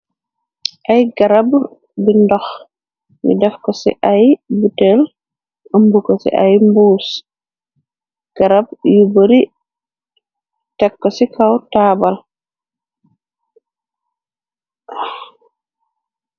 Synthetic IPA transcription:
ʔajɡaɾab | bindɔx | mḭdɛfkɔsɛ̰ʔajbutɛl | ambukɔsɛ̰ʔajmbuːs | ɡ̥aɾabjuboɾi | tɛkːɔsɛkawtaːbal

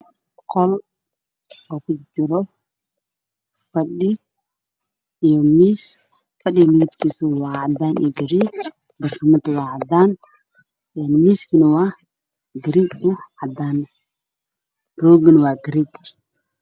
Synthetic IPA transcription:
qkʰɔl | ɔːkʰʊd͡ʒɪɾɔ | fɐɗɪ | ijɔmiːs | fɐɗɪjmiɪt̪kʰiːsʊwɑːʕɑd̪aːnḭjɔɡɐɾit͡ʃ | bɐrkɐmɐt̪wɑːʕɑd̪aːn | ɛnmiːskʰinɐwaː | ɡɐɾit͡ʃʊʕɑd̪aːn | rɔːɡɐnwɑːɡɐɾiːt͡ʃ

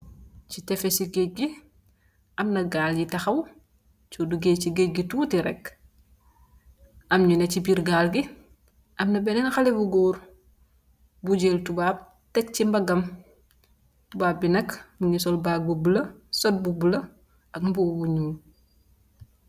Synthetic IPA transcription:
citɛfesiɡec̚ɡi | ʔɐmnɐɡaːljitɐxɐw | t͡ʃoduɡeciɡec̚ɡituːtiɾɛk | ʔɐmɲunɐcibiɾɡaːlɡi | ʔɐmnɐbɛnɛnxalibuɡɔːɾ | buɟeːltubaːp̚ | tɛk̚cimbɐɡɐm | tubaːp̚binɐkmuɲisɔlbak̚bubulɐsɔt̚bubulɐ | ʔɐkmbuːbuɲuː

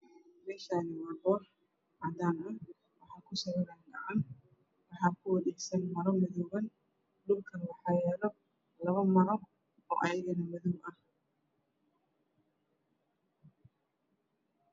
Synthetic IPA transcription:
mɛːʃaːnɪwɑrbɔr | ɐðaːnɐ | wɑħɑːkʰʊsɐβɐɾɛnɡɐʕɑn | wɑħɑːkʰʊwɐðɛjsɐnmɐɾɔmɪðɔːβɐn | ɖʊlkʰɐnwɑħɑːjɛːlɔ | lɐβɐmɐɾɔ | ɔ̰ːʔɐjɐɣɐnɐmɐðɔwʔɐh

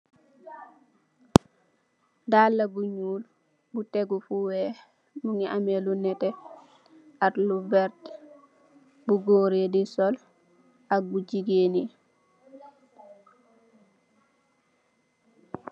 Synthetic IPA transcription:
dalːabuɲuːl | buteɡufuwɛ | muŋiʔamelunɛtɛ | atlubɛɾt | buɡoːɾedisɔl | ak̚buɟiɡeːni

